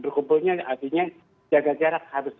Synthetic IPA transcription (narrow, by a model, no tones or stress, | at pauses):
bərkubʊlɲaart̪iɲa | d͡ʒaɡad͡ʒaɾakhaɾʊs